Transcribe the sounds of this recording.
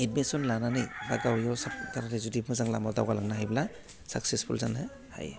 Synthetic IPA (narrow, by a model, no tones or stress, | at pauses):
ed̚misɔnlananɯjɾaɡawjɔsaptaɾaɾezutipmɯzaŋlamadawɡalaŋnaɦajbila | saksespʰṵlzana | ha̰j